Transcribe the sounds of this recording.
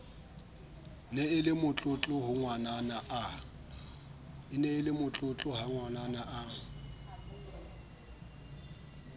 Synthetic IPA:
neɪlɪmʊt͡ɬʼʊt͡ɬʼʊɦʊŋwananaʔa | ɪneɪlɪmʊt͡ɬʼʊt͡ɬʼʊɦaŋwananaʔa

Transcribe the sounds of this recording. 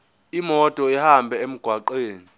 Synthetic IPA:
imɔtʼɔihambʱɛem̩ɡ̥ʱwaǃeːni

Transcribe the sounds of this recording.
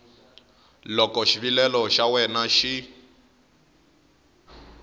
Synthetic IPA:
lɔkɔʃiβilɛlɔʃawɛnaʃi

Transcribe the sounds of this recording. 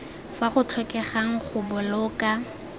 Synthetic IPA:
faχʊt͡ɬʰwɛkʼɛχaŋ̩χʊbʊlʊːka

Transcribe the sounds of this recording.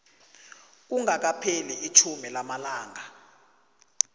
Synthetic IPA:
k̬uŋak̬apʰeliit͡ʃʰumɛlamalaːŋa

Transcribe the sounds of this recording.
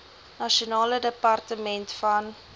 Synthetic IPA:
nɐʃunɑːlədəpɐrtəmɛntfɐn

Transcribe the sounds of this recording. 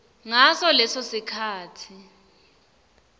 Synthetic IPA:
ŋasɔlɛsosikʰaːtʰi

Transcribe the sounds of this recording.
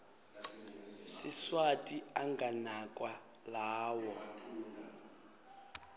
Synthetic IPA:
siswatʼiaŋɡanakʼwa | laːwɔ

